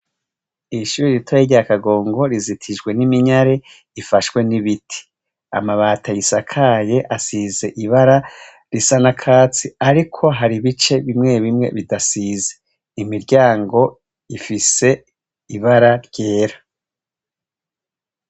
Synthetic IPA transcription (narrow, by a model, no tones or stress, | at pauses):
iʃuɾiɾitʰajeɾɟaakaɡo̞ːŋɡo̞ɾizitʰiʒɡwe̞nimiɲaɾe̞ | ifaʃkwe̞niβitʰi̥ | a̰maβaːtʰajisakʰaje̞ʔasize̞ʔiβaɾa | ɾisanakʰaːt͡siaɾikʰo̞ɦaɾiβit͡ʃe̞βimŋe̞βimŋe̞̰βidasize | imiɾɟaːŋɡo̞ | ifise̞ | iβaɾaɾɟe̞ːɾḁ